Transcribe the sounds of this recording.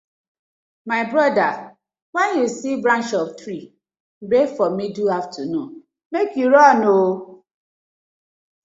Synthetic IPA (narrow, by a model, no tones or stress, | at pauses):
maɪbɾɔda | wɛnjusibɾãnt͡ʃɔp̚tɾi | befɔmiduaftʰunũ | mekjuɾɔno